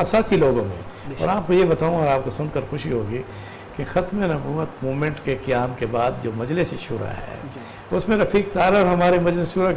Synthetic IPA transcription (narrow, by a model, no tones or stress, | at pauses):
ɐsaːsiloːɡõmḛ̃ | ɔ̰ːɾaːp̚kojebɐt̪aːũɐɾaːp̚kosʊnkəɾxʊʃiɦoːɡi | kexɐt̪menɐbuːət̪moːmẽɳʈkekɐjaːmkebaːd̪̚d͡ʒoːmɐd͡ʒlɪsʃʊːɾa̰ɦɛ̰ː | ʊsmẽɾɐfiːkt̪aːɾəɾɦɐmaːɾemɐd͡ʒlɪsʃuːɾa